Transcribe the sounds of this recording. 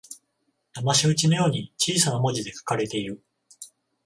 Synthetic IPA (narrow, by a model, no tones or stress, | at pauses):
t̪amaɕiɯ̟t͡ɕino̞jo̞ːɲ̟it͡ɕiːsanamo̞d͡ʑid̪e̞kḁkaɾe̞t̪e̞iɾɯ̟